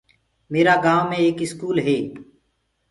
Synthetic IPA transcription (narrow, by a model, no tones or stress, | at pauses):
meːɾaːɡaːʋːẽeːkɪskuːlɦeː